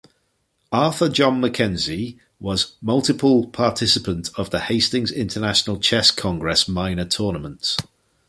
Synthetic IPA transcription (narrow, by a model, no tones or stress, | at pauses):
ɑˑθəd͡ʒɒ̃nməkʰɛ̃nzi | wɒzmʌlˠtɪpʰəlˠpʰɑˑtʰɪsɪpə̃ntʰəvðəheɪstɪ̃ŋzɪ̃ntʰənaʃənəlˠt͡ʃʰɛskʰɒ̃ŋɡɹɛsmãɪ̃nətʰɔːnəmə̃nts